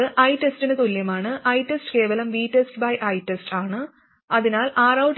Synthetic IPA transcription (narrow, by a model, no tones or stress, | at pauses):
ɨʔɐjʈestinɨt̪uljɐmaːɳɨʔɐjtːesʈke̞ːʋɐlɐmʋiːʈːesʈbɐjʔɐjʈːesʈʰaːɳɨ | ɐðinaːlaːrɐwʈ